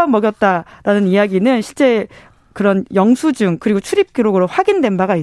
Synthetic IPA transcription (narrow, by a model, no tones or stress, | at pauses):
ʌmmʌɡjʌt̚t͈aɾanɯnijaɡinɯnɕʰi̥ɭt͡ɕ͈e̞ | kɯɾʌnjʌŋsʰud͡ʑuŋkɯɾiɡot͡ɕʰuɾip̚k͈oɾoɡɯɾoɸwaɡindwe̞nbaɡai